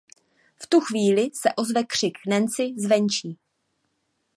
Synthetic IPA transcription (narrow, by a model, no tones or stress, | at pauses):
ft̪uxviːlɪsɛʔo̞zvɛkr̥ɪknɛnt͡sɪzvɛnt͡ʃiː